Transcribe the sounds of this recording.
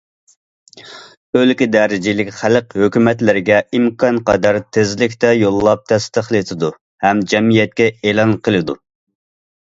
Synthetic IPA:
ølkʲid̪ɛɾɪd͡ʒilɪkʲχæləqhøkʲymɛt̪lɪɾɪɡʲɛimkʰɑnqɑd̪ɑɾt̪ʰɪzlɪkʲt̪ɛjolˠːɑp̚t̪ʰɛst̪əχlˠɨt̪ʰɨd̪u | hɛmd͡ʒɛmijɛt̪̚kʲɛelɑnqʰəlˠɨd̪u

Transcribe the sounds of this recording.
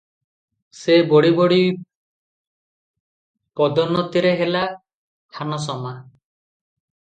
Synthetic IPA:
sebɔɽiboɽi | pɔd̪ɔnɔt̪iɾeɦela | k̪ʰanɔs̬ɔma

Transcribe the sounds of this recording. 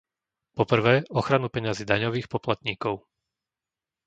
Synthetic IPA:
pɔpr̩ʋɛːɔxɾanupɛɲaziːd̪aɲɔʋiːxpɔplat̪ɲiːkɔʊ

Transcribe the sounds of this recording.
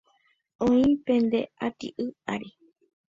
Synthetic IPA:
õĩpẽnd̪eat̪ḭʔɨaɾi

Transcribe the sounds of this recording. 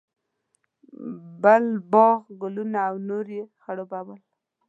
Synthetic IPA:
bəlbɑɣɡʊlunaːwnoɾexaɽobawəl

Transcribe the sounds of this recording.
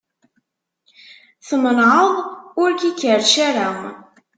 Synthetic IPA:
θəmənʕəðˤʊɾkikːəɾʃaɾam

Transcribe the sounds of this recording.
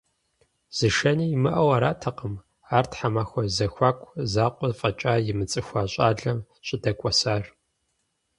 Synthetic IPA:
z̥ɨʃɐniːjːmɨʔɐwaːɾaːtʰɐqəm | aːrtħamaːxʷɔzɐxʷaːkʷʰʼzaːqʷʼɔfʼɐt͡ʃʼaːjɪmɨt͡sʼɨxʷaːɕʼaːɮɐm | ɕʼɪdɐkʷʼɔsaːr

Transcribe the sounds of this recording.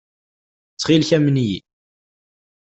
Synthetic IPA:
t͡sːχilçæmnji

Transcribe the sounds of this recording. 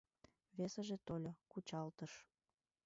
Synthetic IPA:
βesəʒet̪olʲokut͡ɕɑlt̪əʃ

